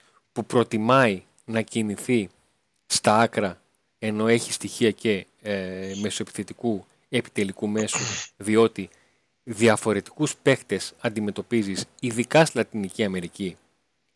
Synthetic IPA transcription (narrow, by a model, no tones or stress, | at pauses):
pupɾo̞t̪imɐi | nɐciniθi | st̪ɐɐkɾɐ | e̞no̞e̞çi̥st̪içiɐce̞ | me̞soepi̥θe̞t̪iku | e̞pi̥t̪e̞likume̞suðio̞t̪i | ðiɐfo̞ɾe̞t̪i̥kuspe̞xt̪e̞sɐnd̪ime̞t̪o̞pizisiðikɐslɐt̪iniciɐme̞ɾici